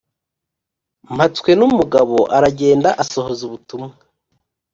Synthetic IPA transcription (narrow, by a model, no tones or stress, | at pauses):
m̥atwe̞numuɡaβo̞ʔaɾaɟe̞ːndaʔaso̞hozuβutumŋa